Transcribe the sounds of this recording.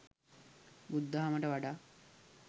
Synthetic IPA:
bud̪ːəɦaməʈəʋaɖaː

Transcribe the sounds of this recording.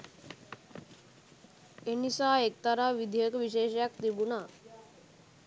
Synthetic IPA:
enisaːek̚t̪aɾaʋid̪ʱijəkəʋiʃeːʃjakt̪ibuna

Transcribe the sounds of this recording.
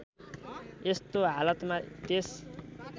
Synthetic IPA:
est̪oɦalʌt̪mat̪es

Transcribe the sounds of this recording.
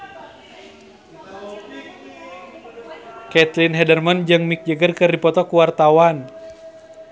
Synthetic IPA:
kɛt̪linɦɛdərmənd͡ʒɨŋmik̚d͡ʒəɡərkɨrdipɔt̪ɔkuwart̪awan

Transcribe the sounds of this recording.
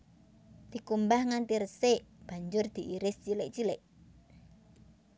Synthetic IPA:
d̪̥i̤kumbahŋant̪irəseb̥a̤ɲd͡ʒʊrd̪̥i̤ʔiɾɪst͡ʃilɪʔ̚t͡ʃilɪʔ

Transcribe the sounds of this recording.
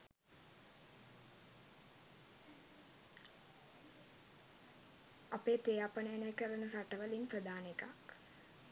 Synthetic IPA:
apeːt̪eːjaːpənəjanəjkəɾənəɾaʈəʋəlimprəd̪aːnekak

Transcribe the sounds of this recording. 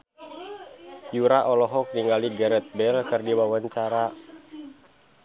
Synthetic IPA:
juɾaʔɔlɔɦɔk̚niŋaliɡəɾɛt̪̚bɛlkɨrdiwawaɲt͡ʃaɾa

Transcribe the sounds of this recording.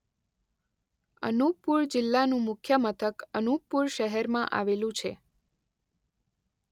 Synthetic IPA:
ə̰nupuɾd͡ʒɪlːanũmʊkʰjəmət̪ʰəkənuk̚puɾʃəɦɛɾmãʔa̰ʋelũt͡ʃʰe

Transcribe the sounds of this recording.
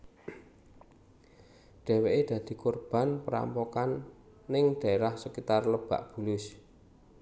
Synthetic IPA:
ɖ̥ɛ̤weʔed̪̥ä̤d̪̥i̤kurb̥a̤npəɾa̰mpokanː | ɪŋɖ̪̥a̤eɾahsəkit̪arləb̥a̤̰ʔb̥ṳlʊs

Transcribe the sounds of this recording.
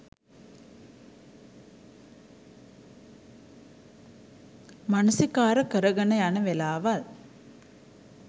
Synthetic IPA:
manusikaːɾɐkəɾɐɡɐnɐjanɐʋelaːʋɐl

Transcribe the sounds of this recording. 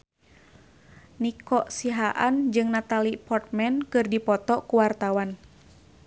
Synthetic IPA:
nikɔʔsiɦaʔand͡ʒɨŋnat̪alipɔrt̪̚mɛnkɨrdipɔt̪ɔkuwart̪awan

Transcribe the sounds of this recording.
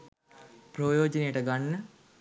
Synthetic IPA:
projoːd͡ʒɐnejəʈəɡanːə

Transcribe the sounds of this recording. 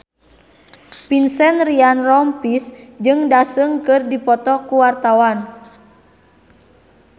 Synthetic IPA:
pinsɛnrianrɔmpisd͡ʒɨŋdasɨŋkɨrdipɔt̪ɔkuwart̪awan

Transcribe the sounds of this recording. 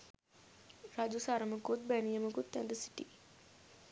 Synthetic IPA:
rad͡ʒusaɾəməkut̪̚bænijəməkut̪ːɛnd̪əsi̥ʈi

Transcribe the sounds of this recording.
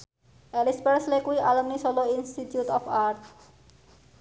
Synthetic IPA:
ɛlispeɾslekuiʔalomniʃoloinsʈiʈjuʈɔpʰaɾt̪ʰ

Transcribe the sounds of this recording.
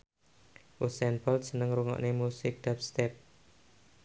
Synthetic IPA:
ʔusɛnbɔlt̪sənəŋɾuŋɔ̰ʔnemusɪk̚d̥ap̚st̪ɛp̚

